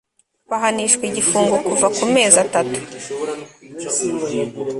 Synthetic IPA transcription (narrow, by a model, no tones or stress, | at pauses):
waɦaniʃkwiɟifuːŋɡokuvakume̞ːzatatu̥